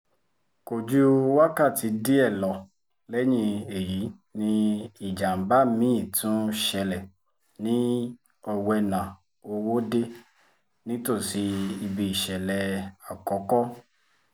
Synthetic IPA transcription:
ko˨d͡ʒu˦wa˦ka˦˨ti˨˧˦di˦ɛ˦˨lɔ˨ | lɛ˦ɲĩ˧e˨ji˨˦ | nĩ˦i˨d͡ʒa˨m̩˨˦ba˦˨mĩ˨˦ĩ˦˨tũ˦ʃɛ˧lɛ˨ | nĩ˦ | ɔ˧wɛ˧nã˨ | o˧wo˦de˦ | nĩ˦to˦˨si˨˦i˧bi˧i˨ʃɛ˨lɛ˧a˨kɔ˨˦kɔ˦

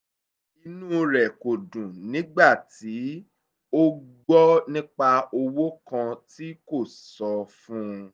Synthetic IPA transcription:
i˧nũ˦ɾɛ˨ko˨dũ˨nĩ˨˦ɡ͡ba˦˨ti˨˦ | o˦ɡ͡bɔ˦nĩ˦k͡pa˧o˧wo˦kã˧ti˦ko˦˨ | sɔ˨˧fũ˦˧

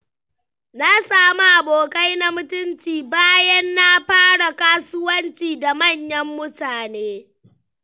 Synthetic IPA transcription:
na˦saː˦mu˦ʔa˨boː˨kʼa˦jna˦mʊ˦tʊ˦nt͡ʃiː˨baː˦jɐ˦nːa˦ɸaː˦ɽa˨kaː˦sʊ˦wɐ˦nt͡ʃiː˨da˨mɐ˦˨ɲjɐ˦mːʊ˦taː˨neː˦

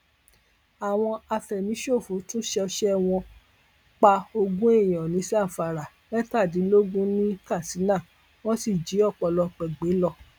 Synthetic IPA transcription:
a˨w̃ɔ̃˧a˧fɛ˨nĩ˨˦ʃo˦˨fũ˨˦tũ˦ʃɛ˧ɔ˧ʃɛ˦w̃ɔ̃˧ | k͡pa˧o˧ɡũ˦e˦˨j̃ɔ̃˨nĩ˨˦sa˦˨fa˨ɾa˨ | nɛ̃˦ta˦˨di˨˦lo˦ɡũ˦nĩ˦ka˦˨si˨˦nã˦˨ | w̃ɔ̃˦si˦˨d͡ʒi˨˦ɔ˦˨k͡pɔ˧lɔ˧k͡pɛ˨ɡ͡be˨˦lɔ˦˨

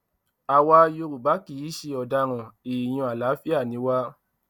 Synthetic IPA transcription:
a˧wa˧˦jo˧ɾu˨ba˨˦ki˦˨i˦ʃe˧˦ɔ˨da˧ɾ̃ɔ̃˨i˨j̃ũ˧a˨la˨˦fi˦a˦˨nĩ˨˦wa˦

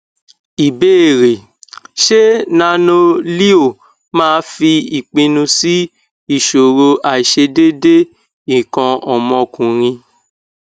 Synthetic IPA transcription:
i˨be˦˨ɾe˨ | ʃe˦nã˧˦nõ˧li˦o˦˨ | mãː˦˧˦fi˧i˨k͡pĩ˧nũ˧si˦ | i˦˨ʃo˨ɾo˧ʔa˨ʃe˧de˦de˦ | ĩ˨kɔ̃˧ɔ˨mɔ̃˧kũ˨ɾ̃ĩ˧

